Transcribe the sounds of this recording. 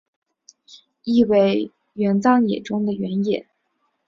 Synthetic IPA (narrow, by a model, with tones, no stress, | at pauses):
i˥˧we˥˩ɪ | ɥɛ˧˥nt͡sɑ˥ŋjɛ̰˨˩ʈ͡ʂʊ˥ŋd̪ə˨ɥɛ˧˥njɛ˨˩˦